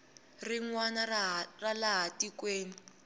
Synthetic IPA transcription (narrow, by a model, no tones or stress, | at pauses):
riŋwanaralaɦatikweːni